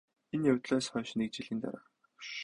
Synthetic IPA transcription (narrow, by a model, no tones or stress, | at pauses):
enjawʲt̪ɮɔːsχœːʃɪ̆nik̚t͡ɕiɮiːnt̪a̰ɾaː